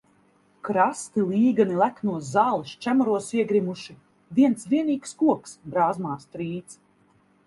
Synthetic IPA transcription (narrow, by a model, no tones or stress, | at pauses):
kɾast̪ilˠiːɡanilˠæknuɔszaːlˠist͡ʃæmɔɾuɔsiɛɡɾimuʃi | viɛnt̪svʲiɛniːkskuɔksbɾaːzmaːst̪ɾiːt̪s